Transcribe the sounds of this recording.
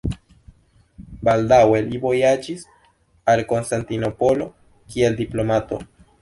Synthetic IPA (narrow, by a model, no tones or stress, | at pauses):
bald̪awelibo̞jad͡ʒis | alkonst̪ant̪ino̞po̞lo̞ | kie̞ld̪iplo̞mat̪o̞̰